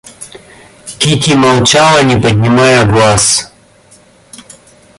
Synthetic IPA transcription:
kit̪ʲʰimawt͡ʃawaɲipaɲimajaɡwas

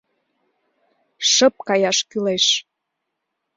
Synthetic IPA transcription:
ʃə̆p̚kɑjɑʃkyleʃ

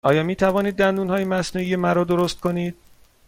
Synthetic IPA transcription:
ʔɒːjɒːmiːt̪ʰævɒːniːd̪̚ːænd̪uːnhɒːjemæsnuːijemæɾɔːd̪oɾost̪̚kʰoniːd̪̥̚

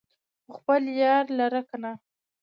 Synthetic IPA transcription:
əxpəljɑɾlaɾakana

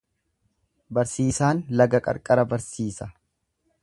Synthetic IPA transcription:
bɐɾsiːsaːnlɐɡɐkʼɐ̰ɾkʼɐɾɐbɐɾsiːsɐ

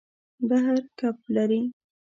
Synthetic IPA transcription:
baɦaɾkaplaɾi

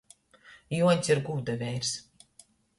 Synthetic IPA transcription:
juɔnʲsʲiɾɡuːd̪avʲɛjɾs

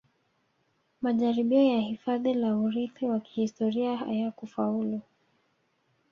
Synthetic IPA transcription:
maʄaɾiɓiɔjahifaðilauɾiθiwaki̥histɔɾiaha̰jakufaulu

